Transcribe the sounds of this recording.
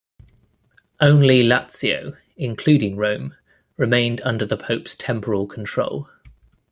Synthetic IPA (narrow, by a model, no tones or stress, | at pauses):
ʔə̃ʊ̃nlilatsiə̰ʊ | ɪ̃nkʰl̥ʉːdɪ̃ŋɹə̃ʊ̃m | ɹɪmẽɪ̃ndʌ̃ndəðəpʰəʊpstʰɛ̃mpʰəɹəlˠkʰə̃ntʰɹ̥o̰ʊlˠ